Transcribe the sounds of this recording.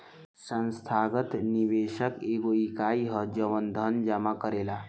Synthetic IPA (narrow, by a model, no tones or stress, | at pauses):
sə̃nst̪ʰaɡət̪niʋeʃəkeɡoikaiɦəd͡ʒəʋənd̪ʱənd͡ʒamakəɾela